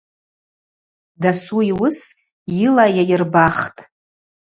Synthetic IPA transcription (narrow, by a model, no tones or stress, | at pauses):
dasuiwʊs | jiɪlajajɪrbaχtʼ